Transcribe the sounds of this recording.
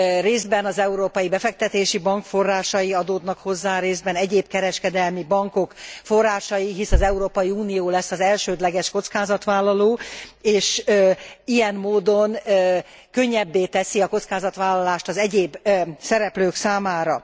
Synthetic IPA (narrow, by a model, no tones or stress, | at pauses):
reːzbɛnɒzɛuɾoːpɒjibɛfɛk̚t̪ɛt̪eːʃibɒŋkfo̞rːaːʃɒjiɒd̪oːd̪nɒkho̞zːaːɾeːzbɛnɛɟeːbkɛɾɛʃkɛd̪ɛlmibɒŋko̞kfo̞rːaːʃɒjiɦisɒzɛuɾoːpɒjiuːnijoːlɛsːɒzɛlʃøːd̪lɛɡɛʃko̞t̪skaːzɒt̪ʋaːlːɒloːeːʃ | ijɛnmoːd̪o̞n | kø̞ɲːɛbːeːt̪ɛsiɒko̞t̪skaːzɒt̪ʋaːlːɒlaːʃt̪ɒzɛɟeːbsɛɾɛpløːksaːmaːɾɒ